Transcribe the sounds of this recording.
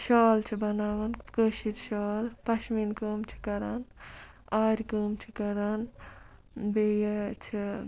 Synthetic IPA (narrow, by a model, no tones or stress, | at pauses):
ʃɔːlt͡ʃʰibɐnaːʋɐnkəːʃiɾʃɔːlpɐʃminkəːmt͡ʃʰi̥kɐɾɐn | aːɾʲkəːmt͡ʃʰi̥kɐɾɐn | beːjɐt͡ʃʰi